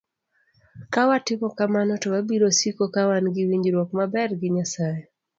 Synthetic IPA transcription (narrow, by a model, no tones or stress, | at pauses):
kawatɪmɔkamanɔtɔwabiɾosikokawanɡɪwiɲd͡ʒɾwɔkmabɛrɡɪɲasaje